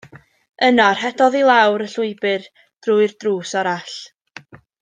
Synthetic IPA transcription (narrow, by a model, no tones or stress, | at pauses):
ənar̥hɛdɔðilˠawɾəɬʊɨbɨr | d̥rʊɨrd̥ruːsaɾaɬ